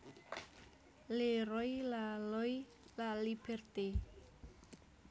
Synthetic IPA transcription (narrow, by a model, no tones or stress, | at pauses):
leɾojlaloj | lalibeɾt̪e